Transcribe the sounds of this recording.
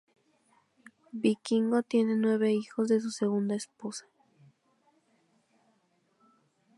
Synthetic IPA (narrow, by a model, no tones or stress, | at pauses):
bikiŋɡot̪je̞ne̞nwe̞βe̞ixo̞zðe̞s̬use̞ɣ̞und̪aesposḁ